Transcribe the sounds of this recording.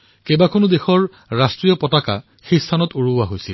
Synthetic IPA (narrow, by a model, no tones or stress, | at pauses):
kebakʰonʊdexɔɹ | ɹastɹijɔpɔtaka̰ | xejstʰanɔtoɹuwaɦojsil